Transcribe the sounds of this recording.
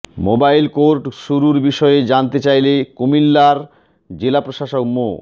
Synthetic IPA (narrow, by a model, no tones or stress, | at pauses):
mobajlkoɾʈʃuɾuɾbiʃɔeed͡ʑant̪et͡ɕajlekomilːaɾ | d͡ʑelapɾoʃaʃokmo̰